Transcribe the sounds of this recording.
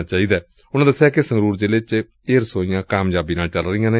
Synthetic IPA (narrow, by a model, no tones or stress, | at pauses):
t͡ʃaːiːd̪aː | ʊnãːd̪əsːeaːkesəŋɡɾuːɾd͡ʒeːleːt͡ʃ | eːɾsoːijãːkaːmd͡ʒaːbiːnaːlt͡ʃəlɾəiːãːneː